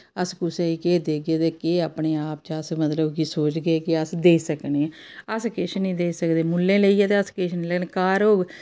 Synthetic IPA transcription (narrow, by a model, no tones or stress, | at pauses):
əskʊseːiːkeːd̪eːɡeːt̪eːkeːaːpɳeːaːp̚t͡ʃəsmət̪ləbkisoːt͡ʃɡeːkɪəsd̪eːsəkneːəskeʃnĩːd̪eːsəkd̪eːmulːẽːleiːɛːt̪eəskeːʃʰnĩlɛːnkaːɾoːɡ